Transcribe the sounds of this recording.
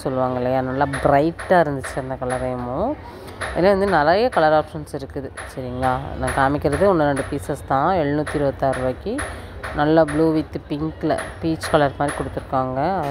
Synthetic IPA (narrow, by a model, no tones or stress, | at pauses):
sɔlːɯʋaːŋɡɐɪlːɐjaːnɐlːaːbɾɐɪʈːaːɪɾɯnd̪ɯt͡ʃːɯɐnd̪ɐkɐɭɐɾɐjɐmʊ̃ | ḛnːaʋɐnd̪ɯnɐlɐjɐkɐlɐɾaːpʂɐnsɪɾɯkːɯðɯsɐɾɪŋɡɐlaːnãːkaːmɪkʲːɪɾɐðɯɔnːɐnɐɳɖɯpiːsɐst̪ãːɛɭːɯnut̪ːiɪɾɯʋɐt̪ːaːɾɯʋaːkːi | nɐlːɐbluːʋɪt̪ːɯpɪŋkl̰piːt͡ʃkɐlɐɾmaːd̪ɾikɔɽɯt̪ːɯɾɯkːaːŋɡɐɐ